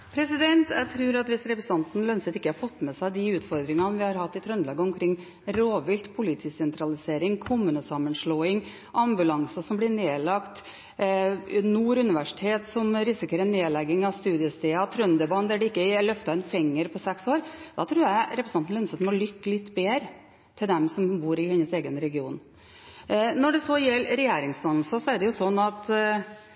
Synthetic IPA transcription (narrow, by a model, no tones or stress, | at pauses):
pʰɾɛsɪd̪ɛnt̪jæt̪ʰɾʉːɾɑt̪ʋɪsɾɛpɾəsɑnt̪n̩lœnsət̪ɪkːəhɑɾfɔt̪ːmɛsæɪd̪ɪʉːt̪fɔɾd̪ɾɪŋɑʋɪhɑɾhɑt̪ːɪt̪ʰɾœnlɑːɡəɔmkʰɾɪŋː | ɾoːʋɪlt̪pʰʊlɪt̪ʰiːsɛnt̪ɾɑlɪseːɾɪŋkʰʊmʉːnəsɑmənʂɭoːɪŋ | ʔɑmbʉlɑŋsəsɔmblɪɳeːlɑkt̪ | nuːɾʉnɪʋæʂɪ̥t̪ʰeːt̪sɔmɾɪsɪkəɾɛnːeːlɛɡːɪŋɑʋst̪ʉːd̪ɪəst̪eːɑt̪ʰɾœnd̪əbɑnd̪əæɖɛɪkːəlœft̪ɑɛnfɛŋːəɾpʰɔsɛksoːɾd̪ɑt̪ʰɾʉːjæɾɛpɾəsnɑnn̩œnsət̪nmɔlʏkːəlɪt̪ːbeːɾə | t̪ʰɪld̪ɛmsɔmbuːɾɪhɛnːəseːɡənɾɛɡɪuːn | nɔɖɛsɔjɛlːɾɛjeːɾɪŋsd̪ɑnl̩səsɔæɖɛjʊsɔnːɑt̪